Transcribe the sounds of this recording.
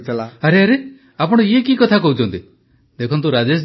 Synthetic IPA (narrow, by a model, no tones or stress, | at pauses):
t̪ʰilaaɾeaɾe | apɔɽ̃ɔiekikɔt̪ʰakɔɦut͡ʃʰɔnt̪i | d̪ekʰɔnt̪̬uɾad͡ʒes